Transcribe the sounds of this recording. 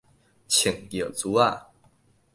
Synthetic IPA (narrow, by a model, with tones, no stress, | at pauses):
t͡ɕʰi˨˩ŋjə˨˩t͡su˨˦a˥˨